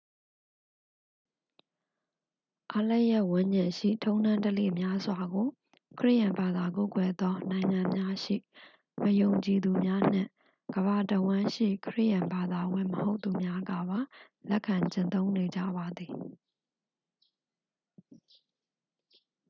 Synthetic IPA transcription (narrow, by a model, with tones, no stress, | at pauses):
ʔa˦lɛ˦ʔjɛ˦ʔwʊ̃˦ɲd͡ʑɪ̃˨ʃḭ˦˨tʰõ˦ʊ̃nã˦ntəlḛ˦˨mja˦zwa˨ɡo˨ | kʰəɹɪ̰˦ʔjã˨mba˨d̪a˨ko˦˨kwɛ˨d̪ɔ˦nã˨ɪ̃ŋã˨mja˦ʃḭ˦˨ | məjõ˨ʊ̃ɲt͡ɕi˨d̪u˨mja˦n̥ɪ̰̃˦˨ | ɡ̥əβa˨təwã˦ʃḭ˦˨kʰəɹɪ̰˦ʔjã˨mba˨d̪a˨wɪ̰̃˦˨məho˦ʊt̪ːu˨mja˦ɡä̰˦˨ba˨ | lɛ˦ʔkʰã˨ɲt͡ɕɪ̃˨nt̪õ˦ʊ̃ne˨d͡ʑä̰˦˨ba˨d̪i˨